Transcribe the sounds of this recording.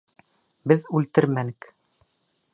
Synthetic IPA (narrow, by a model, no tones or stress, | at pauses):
bɘðʉlt̪ɘɾmænɘk